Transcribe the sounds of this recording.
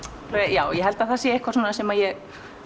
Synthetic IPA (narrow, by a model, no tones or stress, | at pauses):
ɔajaːwjɛɦɛlt̪aðθasjɛɪhkvaɾsɔːnasɛmajɛɣ